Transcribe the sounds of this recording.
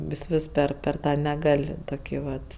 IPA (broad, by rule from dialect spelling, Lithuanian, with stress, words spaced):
ʋʲɪs ˈʋʲɪs ˈpʲɛr pʲɛr ˈtɑː nʲɛˈɡɐlʲ ˈtoːkʲɪ ˈʋɐt